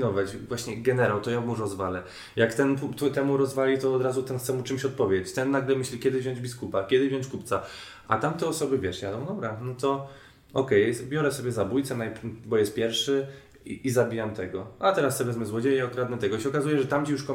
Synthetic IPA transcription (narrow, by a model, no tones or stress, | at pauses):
nɔvat͡ɕvwaɕɲɛɡɛnɛɾawt̪ɔjamuɾɔzvalɛ | jakt̪ɛnput̪ut̪ɛmuɾɔzvalʲit̪ɔːd̪ɾazut̪ɛnxt̪sɛmut͡ʂɘmɕɔt̪̚pɔvʲjet͡ɕt̪ɛnːaɡlɛmɘɕlʲikʲɛd̪ɘvʑɔ̃ɲd͡ʑbʲiskupakʲjɛd̪ɪvʑjɔ̃ɲt͡ɕkupt̪sa | ʔa̰t̪amt̪ɛɔsɔbɘvʲjɛʂjad̪ɔ̃w̃d̪ɔbɾanɔt̪ɔ | ɔkɛjbʲjɔɾɛsɔbʲɛzabujt̪sɛnajbɔjɛst̪̚pʲjɛɾfʂɘ | izabʲijamt̪ɛɡɔat̪ɛɾasɔvɛzmɘzwɔd͡ʑejɛɔkɾad̪nɛt̪ɛɡɔiɕɛɔkazujɛʐɛt̪amt͡ɕijuʂkɔ